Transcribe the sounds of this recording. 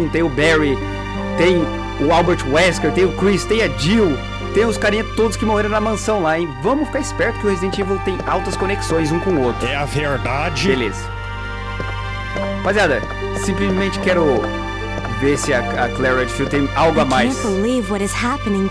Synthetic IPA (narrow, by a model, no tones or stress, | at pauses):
t̪ẽj̃ʊbɛɹi | t̪ẽj̃ | ʊawbeɾt͡ʃwɛskeɾt̪ẽj̃ʊkɾist̪ẽj̃ɐd͡ʒiw | t̪ẽj̃ʊskaɾĩɲɐt̪od̪ʊskɪmoheɾõw̃nɐmɐ̃sɐ̃w̃laɪ̃vɐ̃mʊfi̥kaɾɪspɛɾt̪ʊ̥kɪʊhezid̪ẽnt͡ʃivʊt̪ẽj̃awt̪ɐskõneksõj̃zũkõowt̪ɾʊɛɐveɾd̪ad͡ʒɪbelḛsɐ̥ | paziad̪ɐ | sĩplɪzmẽnt͡ʃɪ̥kɛɾʊ | veɾsɪɐɐklɛɾɐd͡ʒfewt̪ẽj̃awɡʊamajsbɪlivwɔɾɨz̥hæpənɪ̃ŋ